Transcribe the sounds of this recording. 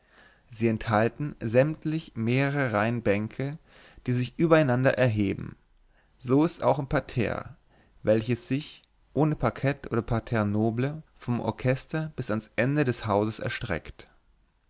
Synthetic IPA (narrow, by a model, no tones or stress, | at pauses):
ziːɛnthaltn̩zɛmtʰlɪçmeːʁəʁəʁaɪnbɛŋkʰə | d̥iːzɪçʔyːbɐaɪnandɐ̰ʔɛɐɦeːbm̩ | zoːɪsta̰ʊxɪmpʰatʰɛ̰ːɐ | vɛlçəsz̥ɪç | ʔoːnəpʰaɐkʰɛtʔo̰ːɾɐpʰatʰɛɐnoːbləfɔmʔɔ̰ɐkʰɛstɐb̥ɪsansʔɛndədɛshaʊzəsɛ̰ɐʃtʁ̥ɛ̰kt